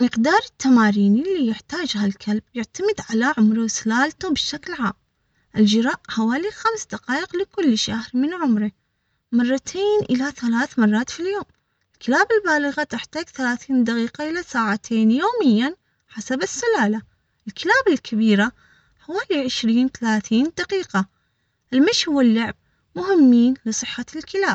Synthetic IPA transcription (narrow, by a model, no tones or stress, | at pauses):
mɪqd̪ɑːɾˤɪt̪ːamaːɾiːnɪlːiːjɪħt̪aːd͡ʒɦalkʰalb̚jɪʕt̪amɪd̪ʕalaʕʊmɾasʊlaːlt̪ubɪʃːaklʕa̰ːm | ʔɪld͡ʒɪɾˤaːʔħawaːlixamsd̪aqɑːʔɪqlɪkʊlːʃahɾmɪnʕʊmɾɪ | mɑrˤːɑt̪ʰeːnʔɪlaθalaːθmɑrˤːɑːt̪filjoːm | ʔɪlkɪlaːbɪlbaːlɪɣat̪ɪħt̪aːɡθalaːθiːnd̪aqiːqaʔɪlasaːʕat̪ʰeːnjoːmɪjːan | ħasabɪsːʊlaːla | ʔɪlkɪlaːbɪlkʰabiːɾa | ħawaːliʕɪʃɾiːnθalaːθiːnd̪aqiːqa | ʔɪlmɪʃhʊwːalːʊʕb̚ | mʊɦɪmːiːnlɨsˤɨħːalkɪlaːb̥̚